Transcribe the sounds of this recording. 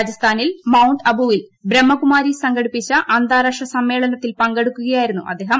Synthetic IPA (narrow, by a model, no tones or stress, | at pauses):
ad͡ʑɐst̪ʰaːnilmɐwɳɖɐbuʋilbɾemːɐkumaːɾisɐŋɡɐɽipːit͡ɕːɐʔɐnd̪aːɾɐkʂɐsɐmːe̞ːɭɐnɐt̪ːilpɐŋɡe̞ɽukːuɣɐjaːjiɾunːuʔɐ̰d̪ːeːɦɐm